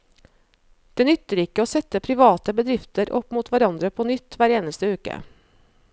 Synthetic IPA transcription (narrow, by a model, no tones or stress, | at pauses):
d̪̥eːnʏt̪ːəɾɪkːəoːsɛt̪ːəpʰɾɪʋɑːt̪əbəd̪ɾɪft̪əɾɔ̰pːmuːt̪ʋæɾɑnd̪ɾəpʰoːnʏt̪ːʋæːɾeːnəst̪əʉːkə̰